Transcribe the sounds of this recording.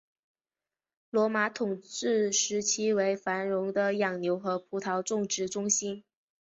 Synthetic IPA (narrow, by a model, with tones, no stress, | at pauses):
lwɔ˧˥ma˧˥t̪ʰʊ˨˩ŋʈ͡ʂɻ̩˥˩ʂɻ̩˧˥t͡ɕʰi˥we˧˥ɪfa˧˥nɻʊ˧˥ŋd̪ə˧jɑ˨˩ŋnjo˧˥ʊxɤ˧˥pʰu˧˥t̪ʰɑ˧˥ʊʈ͡ʂʊ˥˧ŋʈ͡ʂɻ̩˥˩ʈ͡ʂʊ˥ŋɕi˥n